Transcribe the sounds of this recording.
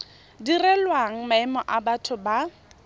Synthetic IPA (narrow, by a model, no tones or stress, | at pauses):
dirɛlwaŋ̩maɛmɔʔabatʰʊba